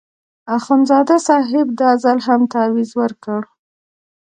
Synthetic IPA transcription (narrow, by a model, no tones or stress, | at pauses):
axanzɑd̪asɑɦɪb̚d̪ɑzalɦamt̪awizwəɾkəɽ